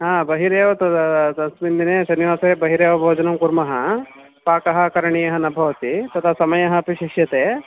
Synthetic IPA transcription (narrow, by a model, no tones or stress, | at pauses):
ɦãːbɐɦiɾeːʋɐt̪ɐɐsmind̪ineːsɐnːiʋaːsɐɾeːbɐɦiɾeːʋɐbʱoːd͡ʒɐnɐmkuɾmɐɦɐ | paːkɐɦɐ̆kɐɾɐɳijɐɦɐnɐbʱɐʋɐt̪it̪ɐt̪ʰɐsɐmɐjɐɦɐ̆piʃiʂjɐt̪eː